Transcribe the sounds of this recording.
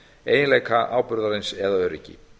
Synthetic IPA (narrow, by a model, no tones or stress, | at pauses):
eːjɪnleːjkʰaʔaːwpʏɾðaɾensɛðaœːɾɪcːɪ̰